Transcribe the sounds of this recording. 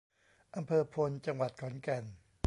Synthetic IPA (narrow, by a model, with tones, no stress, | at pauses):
ʔa˧mpʰɤː˧pʰo˧nt͡ɕa˧ŋwa˨˩t̪̚kʰɔ˩˦nkɛ˧n